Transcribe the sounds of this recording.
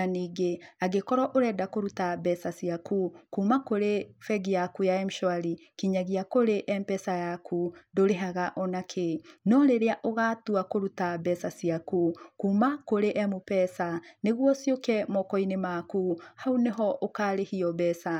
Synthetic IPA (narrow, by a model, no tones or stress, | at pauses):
aniːɡeaɡekɔɾɔʔoɾɛdakoɾutabɛsasiakukuːmakoɾefɛɡijakujaɛmuʃwaɾikiɲaɣiakoɾeʔɛmpɛsajakʰundoɾeɦaɣaʔɔnakʰenɔɾeɾeaʔoɣatuakoɾutabɛsasiakukuːmakoɾeʔɛmopɛsaneɣwɔsjokɛmɔkɔinemakuhauneɦɔʔokaɾehiɔbɛsa